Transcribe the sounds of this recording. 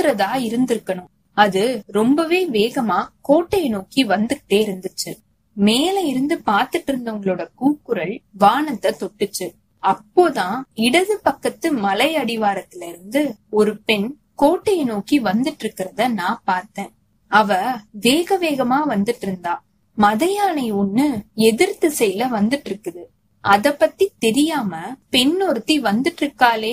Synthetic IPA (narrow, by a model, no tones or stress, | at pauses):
t̪ɯɾɐðaːɪɾɯnd̪ɪɾɯkːɐɳʊ̃m | ɐðɯɾɔmbɐʋeːʋeːɣɐmaːkoːʈːɐjɐnoːkiʋɐnd̪ɯkʈːeːɪɾɯnd̪ɯt͡ʃːɯ | meːlɐɪɾɯnd̪ɯpaːɾt̪ɯʈːɪɾɯnd̪ɐʊŋɡɐɭɯɽɐkuːkːɯɾɐɭʋaːɳɐt̪ːɐt̪ɔʈːɯt͡ʃːɯ | ɐpːoːt̪ãːɪɽɐðɯpɐkːɐt̪ːɯmɐlɐɪɐɽɪʋaːɾɐt̪ːɪlɪɾɯnd̪ɯɔɾɯpɛɳ | koːʈːɐjnoːkiʋɐnd̪ɯʈːɪɾɯkːɪɾɐðɐnãːpaːɾt̪ẽː | ɐʋɐʋeːɣɐʋeːɣɐmaːʋɐnd̪ɯʈːɪɾɯnd̪aː | mɐðɐjaːnɐɪʊnːɯɛðɪɾt̪ɯsɛjlɐʋɐnd̪ɯʈːɪɾɯkːɐðɯ | ʔɐðɐpːɐt̪ːit̪ɛɾɪjaːmɐpɛɳːɔɾɯt̪ːiʋɐnd̪ɯʈːɾɯkːaːleː